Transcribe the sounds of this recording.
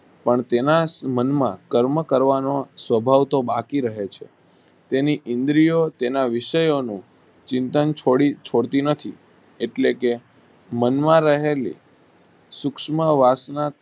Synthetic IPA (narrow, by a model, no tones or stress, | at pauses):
pəɳt̪enasmənmã̰kəɾməkəɾʋanosʋəbʱaʋt̪obakiɾəɦet͡ʃʰḛ | t̪eniʔɪ̃nd̪ɾijot̪enaʋɪʃəjonũ | t͡ʃɪ̃nt̪ənt͡ʃʰoɽit͡ʃʰoɽt̪inət̪ʰi | eʈleke | mənmãɾəɦelḭ | sʊkʃməʋasna